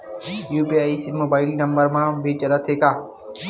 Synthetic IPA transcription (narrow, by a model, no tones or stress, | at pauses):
juːpiaːisɪnmoːbaːɪlinɐmbəɾmãːbʱit͡ʃɐlət̪ʰːeːkaː